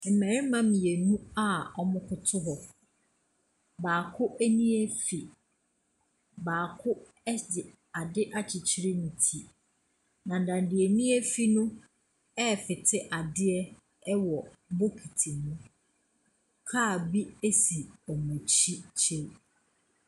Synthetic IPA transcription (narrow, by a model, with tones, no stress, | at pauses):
m̩˨mæ˨ɾɪ˦mã˦m̃˨je˨nũ˦a˦ɔ˦mʊ̃˦kʰʊ˨tʰʊ˦ɦɔ˨ | baː˨kʰʊ˦ʔe˦nĩ˦e˦fi˨ | baː˨kʰʊ˦ | ɛ˦dɪ˨ | a˨dɪ˦ʔa˦t͡ɕʰɪ˨t͡ɕʰi˦ɾi˦nĩ˨tʰi˨ | nã˨n̩˨dã˨n˨dɪ˨e˨nĩ˦e˦fi˦nʊ̃˦ | ɛ˦˨fɪ˨tʰɪ˦ʔa˨dɪ˦ɛ˦ | ɛ˦wɔ˨˦ | bo˦kʰi˨tʰi˨nũ˦ | kʰaː˦˨bi˦e˦si˨ɔ˨mɛ̃˨t͡ɕʰi˦t͡ɕʰe˦